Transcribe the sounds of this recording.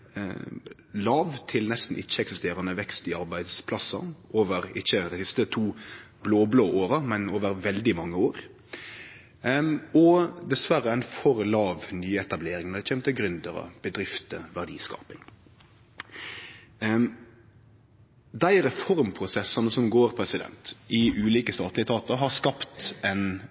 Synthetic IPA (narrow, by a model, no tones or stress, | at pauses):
lɑːʋt̪ʰɪlnɛst̪n̩ʔɪçːəɛksɪst̪eːɾənəʋɛkst̪ɪɑɾbæɪd̪spʰlɑsːɑ̰ʔoːʋəɾɪçːəd̪æɪsɪst̪ət̪ʰuː | bloːbloːʔoːɾəmɛnoːʋəɾʋɛld̪ɪmɑŋːəoːɾ | ɔd̪ɛsʋæɾəæɪnfɔɾlɑːʋnyːɛt̪ɑbleːɾɪŋnɔd̪ɛt͡ʃʰɛːmt̪əɡɾʉnd̪əɾɔ̰b̥əd̪ɾɪft̪əʋæʁɖḭːskɑ̰ːpɪŋ | d̪æɪɾɛfɔɾmpʰɾʊsɛsɑnəsɔmɡoːɾpʰɾɛsɪd̪ɛ̰nt̪ɪʔʉːliːkəst̪ɑːt̪lɪət̪ʰɑːt̪əɾɦɑɾskɑpt̪ɛn